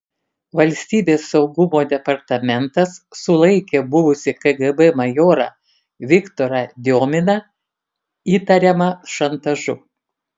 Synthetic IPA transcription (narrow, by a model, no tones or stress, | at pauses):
ʋɐlʲsʲt̪ʲiːbʲeːsːɒʊɡʊmoːd̪ʲɛpɐɾt̪ɐmʲɛnt̪ɐsːʊlˠɐɪkʲeːbʊʋʊsʲɪkɐɡɛbɛmɐjoːɾɐ̰ | ʋʲɪkt̪oːɾɐd̪ʲoːmʲɪnɐ | iːt̪ɐɾʲɛmɐʃɐnt̪ɐʒʊ